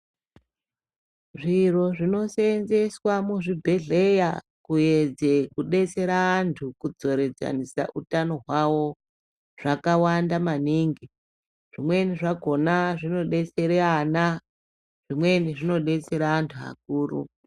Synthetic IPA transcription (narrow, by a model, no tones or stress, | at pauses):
ʐiro̞ʐino̞senze̞swamuʐibʱe̞ɮe̞ja | kujed͡ze̞kuɗe̞t͡se̞ɾaːntʰukud͡zo̞ɾe̞d͡za̰nisa̰ʔutano̞ɦwawo̞ | ʐ̥akawandamaniŋɡi | ʐ̥imwe̞niʐaɡʱo̞naʐino̞ɗe̞t͡se̞ɾeana | ʐ̥imwe̞niʐino̞ɗe̞t͡se̞ɾaːntʰua̰k̚uːrṵ